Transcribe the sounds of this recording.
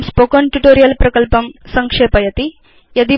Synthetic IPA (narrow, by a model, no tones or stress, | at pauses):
mspokoɳʈuʈoːɾijɐlpɾɐkɐlpɐmsɐŋkʂeːpɐjɐt̪i | jɐd̪i